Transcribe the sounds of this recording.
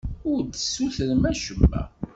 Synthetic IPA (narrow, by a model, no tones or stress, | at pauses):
ʊɾd̪əsːuθəɾmæʃəmːæ̰